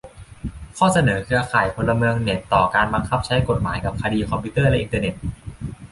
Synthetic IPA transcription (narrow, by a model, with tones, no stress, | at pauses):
kʰɔː˥˩sa˧nɤː˩˦kʰɯ˧ɐkʰaː˨˩jpʰo˧nlːa˧mɯ˧əŋne˨˩t̪t̪ɔː˨˩kaː˧nba˧ŋkʰa˦˥p̚t͡ɕʰa˦˥jko˨˩t̪̚maː˩˦jka˨˩p̚kʰa˧diː˧kʰɔ˧mpʰiː˦˥t̪ɤː˥˩lɛ˦˥ʔi˧nt̪ɤː˧ne˨˩t̪̚